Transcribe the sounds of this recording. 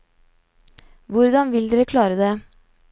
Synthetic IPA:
ʋʊɾd̪ɑnʋɪld̪ːɾɛkʰlɑːɾəd̪eː

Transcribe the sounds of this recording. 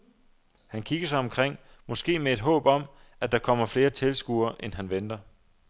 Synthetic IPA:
hænkʰiɡ̥ɐsɑ̈ɪɒ̽mkʰʁeŋ̰ | mɒ̽sɡ̥e̝̰ːmee̝d̥ɦɔ̰̽ːb̥ɒ̽m | æd̥ɑ̈kʰɒ̽m̰ɐfle̝ːɐt͡sʰe̝lsɡ̥uɐʔenɦænʋend̥ɐ

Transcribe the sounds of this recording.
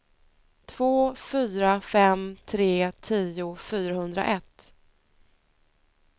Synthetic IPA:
t̪ʰv̥oːfyːɾafɛmt̪ʰɾeːt̪ʰiːʊfyːɾaɦɵnd̪ɾa̰ʔɛt̪ː

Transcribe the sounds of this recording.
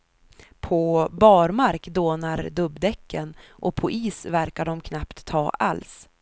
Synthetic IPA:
pʰɔbɑːɾmaɾkd̪oːnaɾd̪ɵbd̪ɛkʰːənʔɔpʰɔʔiːsvæɾkaɖɔmkʰnapt̪ʰːɑːʔa̰ls

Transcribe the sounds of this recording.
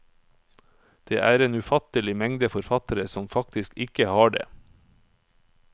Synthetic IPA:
d̪̥ḛːʔæːɾeːnʉːfɑt̪əlɪmɛŋd̪əfɔɾfɑt̪əɾəsɔmfɑk̚t̪ɪskɪkəhɑːɖḛː

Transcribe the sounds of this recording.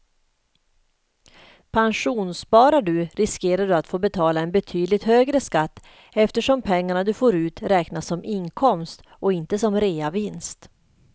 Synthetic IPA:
pʰanʂuːnspɑːɾaɖɵɾɪskeːɾaɖɵat̪foːbɛt̪ʰɑːlaɛnbɛt̪ʰyːd̪lɪt̪høːɡɾəskat̪ː | ɛft̪əʂɔmpʰɛŋːaɳad̪ɵfoːɾʉ̟ːt̪ɾɛːknasːɔmɪnkʰɔmst̪ | ɔɪnt̪əsɔmɾeːavɪnst̪

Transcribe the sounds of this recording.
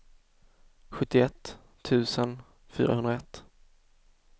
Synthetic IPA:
ɧɵt̪ːɪɛt̪ʰː | ʉ̟ːsən | fy̰ːɾa̰ɦɵnɾaɛt̪ː

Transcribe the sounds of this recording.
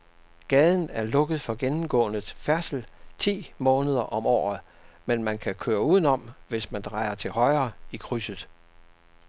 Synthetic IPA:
ɡ̥ɛːð̞ˠn̩æɐlɔ̽ɡ̥əð̩ˠfɒ̽ɡ̥enm̩ɡ̥ɔ̰ːnəfæɐsl̩t͡sʰḭːmɔ̽ːnəð̞ˠɐʔɒ̽mɒ̰ːð̩ˠ | menmænkʰækʰøːɐuð̰ˠnɒ̽mʋe̝smænd̥ʁɑ̈ɪ̰ɐt͡sʰe̝lhɒ̽ɪɐːikʰʁysəð̩ˠ

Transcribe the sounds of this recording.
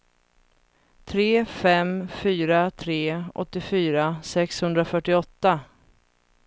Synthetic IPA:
t̪ʰɾeːfɛmfyːɾat̪ʰɾeːʔɔ̰t̪ːɪfyːɾasɛkshɵnd̪ɾafœʈːɪɔt̪ːa

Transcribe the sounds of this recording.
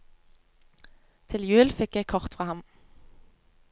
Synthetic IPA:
t̪ʰɪljʉːlfɪkjæɪkʰɔʁt̪fʁɑːhɑm

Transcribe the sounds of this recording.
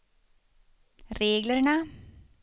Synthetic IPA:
ɾeːɡləɾɳa

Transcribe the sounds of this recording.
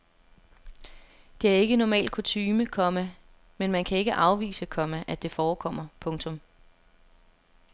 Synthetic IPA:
d̥e̝æɐe̝ɡ̥ənɒmɛ̰ːld̥̚kʰo̝t͡sʰyːməkʰɒ̽mə | menmænkʰæe̝ɡ̥əʔɑ̈ʊʋḭːsəkʰɒ̽məʔæd̥e̝fɒːkʰɒ̽m̰ɐpʰɔ̽ŋt͡sʰɔ̽m

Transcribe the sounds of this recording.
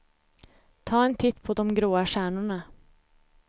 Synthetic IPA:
t̪ʰɑːɛnt̪ʰɪt̪ːpʰɔd̪ɔmɡɾoːaɕæːɳʊɳa

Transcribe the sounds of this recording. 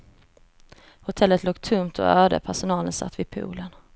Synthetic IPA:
hʊt̪ʰɛlːət̪loːk̚t̪ʰɵmt̪ʰɔ̰øːd̪ə̰pʰæʂʊnɑːlənsa̰t̪ːvɪpʰṵːlən

